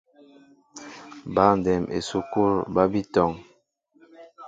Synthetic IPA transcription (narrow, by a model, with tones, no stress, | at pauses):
ba˦n˨dɛ˨mʔḛ˨su˨ku˦ɾba˦bi˦tɔ˨ŋ